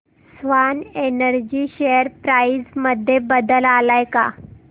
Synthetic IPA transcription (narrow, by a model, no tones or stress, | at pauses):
sʋanenəɾd͡ʑiːɕejəɾpɾaisməd̪ʱːjebəd̪əlalajka̰